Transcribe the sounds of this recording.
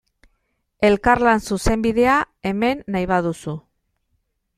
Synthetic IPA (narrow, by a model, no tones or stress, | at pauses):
e̞lkaɾlansuse̞mbiðe̞a | e̞me̞nːajβaðusu